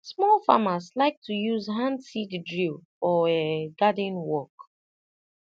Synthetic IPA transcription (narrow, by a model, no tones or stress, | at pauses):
smɔlˠfa̰maslaɪk̚tujuzɦãnsiddɹil | ɔeɡadĩnwɔk